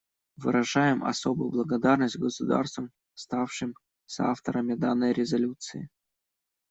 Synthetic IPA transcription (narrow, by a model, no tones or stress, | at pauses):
vɨ̰ɾɐʐajɪmɐ̰sobʊjʊblˠəɡɐd̪arnəsʲtʲɡəsʊd̪a̰rst̪vəm | st̪afʂɨm | sa̰ft̪əɾəmʲɪd̪anːəjɾʲɪzɐlʲut̪sɨɪ